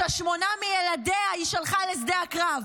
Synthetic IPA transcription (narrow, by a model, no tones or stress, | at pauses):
aʃmo̞namijeladeaiʃalχales̬deakʁav